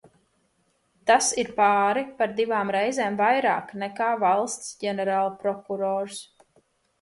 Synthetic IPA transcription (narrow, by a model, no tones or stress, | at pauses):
t̪asiɾpaːɾɛpaɾd̪ivaːmɾɛjzeːmvajɾa̰ːknɛkaːvɑlˠst̪sɟʲɛnɛɾaːlˠpɾɔkuɾɔːɾs